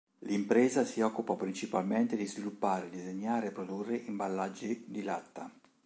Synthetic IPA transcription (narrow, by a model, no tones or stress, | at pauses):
limpɾɛːzasiɔkːupapɾint͡ʃipalment̪ed̪izvilupːaːɾed̪izeɲːaːɾeːpːɾod̪urːeʔimbalːad͡ʒːid̪ilat̪ːa